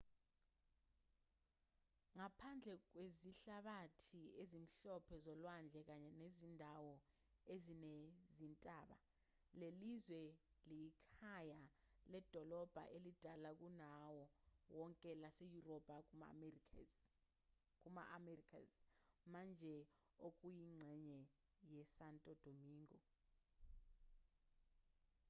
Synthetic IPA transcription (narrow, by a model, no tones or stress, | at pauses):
ŋapʰand͡ɮʱɛk̬weziɬaɓatʰiezim̩ɬɔpʰɛzɔlwand͡ɮʱɛk̬aɲɛnezindʱawɔ | ezinezintʼaːɓa̰ | lelizwɛlijikʰajalɛd̥ʱɔlɔb̥ʱa̰ʔelid̥ʱalak̬unawɔwɔŋkʼɛlasejurɔb̥ʱʼa | k̬ʼuma̰ʔamɛrikʰa̰zmand͡ʒʱɛ | ok̬ʼujiŋ͡ǀʱɛɲɛ | jɛsantʼɔd̥ʱomiːŋɡɔ